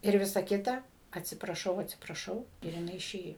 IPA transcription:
ɪr ˈʋʲɪsɐ ˈkʲɪtɐ ɐtʲsʲɪprɐˈʃɐʊ ɐtʲsʲɪprɐˈʃɐʊ ɪr jɪˈnɐɪ ɪˈʃʲeːjoː

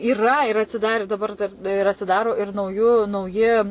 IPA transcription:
iːˈrɐ ɪr ɐtʲsʲɪˈdɑːrʲɪ dɐˈbɐr dɐr ɪr ɐtʲsʲɪˈdɑːroː ɪr nɐʊˈjuː nɐʊˈjɪ

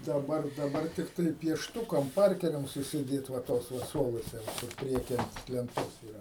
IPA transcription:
dɐˈbɐr dɐˈbɐr ˈtʲɪktɐɪ pʲiɛʃˈtʊkɐm ˈpɐrʲkʲɛrʲɛm sʊsʲɪˈdʲeːt ʋɐ ˈtoːs ʋɐ ˈsuɔlˠuɔsʲɛ ʋɐ ˈkʊr ˈpʲrʲiɛkʲiː ˈɐnt lʲɛnˈtoːs iːˈrɐ

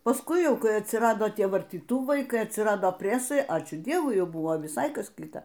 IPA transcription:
pɐˈskʊɪ ˈjɛʊ ˈkɐɪ ɐtʲsʲɪˈrɑːdoː ˈtʲiɛ ʋɐrʲtʲiːˈtuːʋɐɪ ˈkɐɪ ɐtʲsʲɪˈrɑːdoː ˈpʲrʲæːsɐɪ ˈɑːt͡ʃʲuː ˈdʲiɛʋʊɪ ˈjɛʊ ˈbʊʋoː ʋʲɪˈsɐɪ ˈkɐs ˈkʲɪtɐ

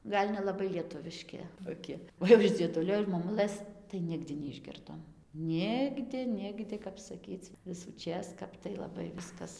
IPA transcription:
ˈɡɐlʲ nʲɛlˠɐˈbɐɪ lʲiɛˈtʊʋʲɪʃʲkʲɪ toːˈkʲɪ oː jɛʊ ɪʃ ˈd͡zʲiɛˈdʊlʲoː ɪʃ moːˈmʊlˠɘs tɐɪ ˈnʲɪɡdʲɪ nʲɛɪʒʲˈɡʲɪrdoːm ˈnʲɪɡdʲɪ ˈnʲɪɡdʲɪ kɐp sɐˈkʲiːt͡s ʋʲɪsuːˈt͡ʃʲeːs ˈkɐp tɐɪ lˠɐˈbɐɪ ˈʋʲɪskɐs

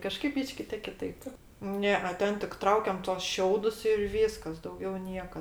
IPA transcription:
kɐˈʃkɐɪp ˈbʲiːʃʲkʲɪ tʲeː kʲɪˈtɐɪp ˈnʲɛ ɛ ˈtʲɛn tʲɪk ˈtrɐʊkʲɛm tuɔs ˈʃʲɛʊdʊs ɪr ˈʋʲiːskɐs dɐʊˈɡʲɛʊ ˈnʲiɛkɐ

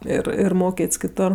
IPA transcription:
ˈɪr ɪr ˈmoːkʲeːtʲsʲ kʲɪˈtoːr

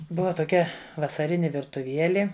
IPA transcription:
ˈbʊʋɐ toːˈkʲɛ ʋɐsɐˈrʲɪnʲɪ ʋʲɪrtʊˈʋʲiɛlʲɪ

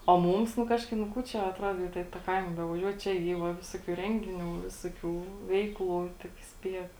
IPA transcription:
oː ˈmuːms nʊ ˈkɑːʃkɐɪp nʊ ˈkuː ˈt͡ʃʲɛ ɐtˈruɔdoː tɐ ɪ tɑː ˈkɐɪmɐ bʲɛʋɐˈʒʲuɔt ˈt͡ʃʲɛ ˈiː ʋɐ ˈʋʲɪsoːkʲuː ˈrʲɛŋʲɡʲɪˌnʲuː ˈʋʲɪsoːˌkʲuː ˈʋʲɛɪkˌlˠuː tʲɪk ˈsʲpʲiɛk

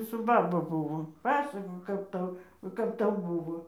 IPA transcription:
sʊ ˈbɑːbɐ ˈbʊʋoː ˈpɑːsɐkoːk ˈkɐp ˈtɐʊ ˈkɐp ˈtɐʊ ˈbʊʋoː

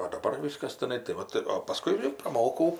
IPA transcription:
oː dɐˈbɐr ˈʋʲiːskɐs tʲɪˈnɐɪ tɐɪ ˈʋɐt oː pɐˈskʊɪ ɪr prɐˈmoːkɐʊ

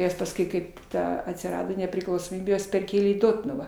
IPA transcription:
ˈjɛs pɐsˈkʊɪ ˈkɐɪp ˈtɐ ɐtʲsʲɪˈrɑːdoː nʲɛpʲrʲɪklˠɐʊsoːˈmʲiːbʲeː ˈjuɔs pʲɛrʲˈkʲeːlʲeː iː ˈdoːtnʊʋɑː

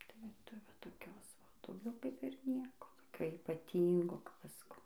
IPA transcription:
tɐɪ ˈʋɐ ˈtɐɪ ʋɐ toːˈkʲoːs ˈʋɐ dɐʊˈɡʲɛʊ ˈkɐɪp ɪr ˈnʲiɛkoː toːˈkʲoː iːpɐˈtʲiːŋɡoː kɐp ˈɐʃ sɐˈkɐʊ

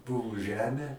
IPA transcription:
ˈbʊʋʊ ˈʒʲæːmʲeː

